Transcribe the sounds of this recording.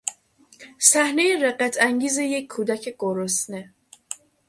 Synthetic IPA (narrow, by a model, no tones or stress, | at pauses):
sæhnejeɾeɢæt̪ʰæŋɟiːzejecʰːuːd̪æcʰeɡ̥oɾosne